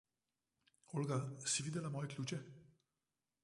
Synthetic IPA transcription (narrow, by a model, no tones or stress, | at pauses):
olɡasiʋid̪ɛlamɔːjɛklʲuːt͡ʃɛ